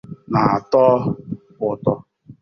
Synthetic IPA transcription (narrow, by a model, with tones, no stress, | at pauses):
na˨a˨tɔː˦pʊ˨tɔ˦